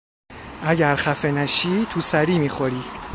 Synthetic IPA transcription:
ʔæɟæɾχæfenæʃiːt̪ʰusæɾiːmiːxoɾiː

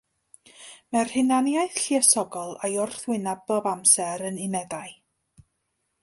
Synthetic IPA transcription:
mɛrhɪnanjaɨθɬiəsɔɡɔlˠajʊrθwɪnablˠɔvamsɛɾənɪmɛdaɨ

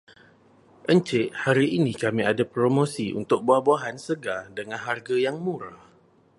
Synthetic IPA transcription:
ʔəɲt͡ʃɪʔhaɾiʔinikamĩadapɾomõsiʔṵnt̪ʊk̚buahbuaɦansəɡadəŋanɦarɡajaŋmũɾah

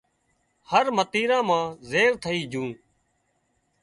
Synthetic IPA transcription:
həɾmət̪iːɾãːmãːzeːɾt̪ʰəiːd͡ʒũː

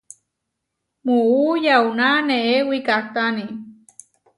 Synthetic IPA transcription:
muujawnaneewikat̪ani

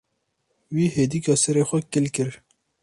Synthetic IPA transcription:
wiːhed̪ikɔsɐɾexokɪlkɪɾ

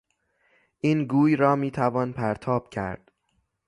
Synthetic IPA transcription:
ʔiːnɡuːjɾɒːmiːt̪ʰævɒːnpʰæɾt̪ʰɒːb̥cʰæ̰ɾd̪̥

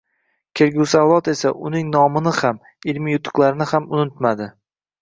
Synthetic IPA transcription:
kʲʰe̞ɾɡʲusawlɒt̪e̞saʔʊnɪŋnɒmɪnɪham | ɪlmijʊt̪ʰʊ̥qlˠaɾɪnɪhamʊnɪt̪mad̪ɪ

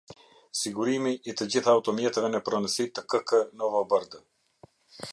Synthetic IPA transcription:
siɡuɾimiʔːt̪əd͡ʑiθaːut̪ɔmjɛt̪ɛvɛnəpɾɔnəsit̪əkəkənɔvɔbəɾd̪ə

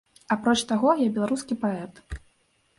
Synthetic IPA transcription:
apɾɔt͡ʂt̪aɣɔjabʲɛlˠaɾuskʲipaɛt̪

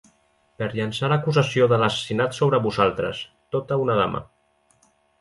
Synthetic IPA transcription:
pəɾʎənsaləkuzəsioðəlasə̥sinat̪soβɾəβuzalˠt̪ɾə̰s | t̪ot̪əunaða̰mə̰

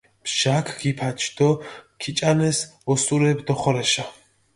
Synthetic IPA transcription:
pʃakʰɡipʰat͡ʃʰd̪ɔkʰit͡ʃʼanɛsɔsuɾɛbd̪ɔχɔɾɛʃa

